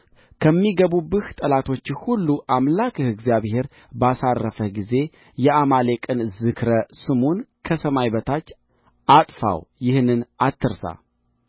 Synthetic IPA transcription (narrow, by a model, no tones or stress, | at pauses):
kʰəmːiɡəβubɨht̪ʼəlat̪ʰo̞t͡ʃːhulːuʔamlakʰɨhɨɡzijaβhe̞ɾ | basarːəfəhɡize̞ | jɛamale̞kʼɨnzɨkʰɾəsɨmonkʰəsəmajbət̪ʰat͡ʃː | at̪ʼfa̰wjɪhnɨnat̪ʰːɨɾsa̰